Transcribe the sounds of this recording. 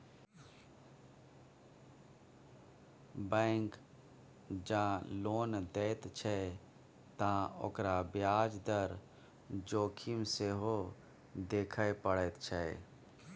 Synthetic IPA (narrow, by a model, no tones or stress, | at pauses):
bɛ̃ŋk | d͡ʒãːloːnd̪et̪t͡ʃʰɛ | t̪ão̰ːkɾabjaːd͡ʒd̪əɾ | d͡ʒoːkʰimseɦo | d̪eːkʰəjpəɽət̪t͡ʃʰɛ